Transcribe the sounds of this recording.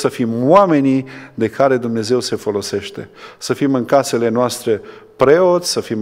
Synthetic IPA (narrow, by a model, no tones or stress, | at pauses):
səfimwame̞nid̪e̞kʰaɾe̞d̪umne̞ze̞wse̞fo̞lo̞se̞ʃt̪e̞səfimɨŋkase̞le̞noast̪ɾe̞pɾe̞o̞t̪sʲsəfim